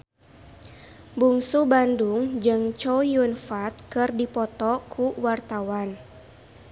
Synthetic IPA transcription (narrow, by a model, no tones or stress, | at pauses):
buŋsubanduŋd͡ʒɨŋt͡ʃɔjunfat̪̚kɨrdipɔt̪ɔkʰuwart̪awan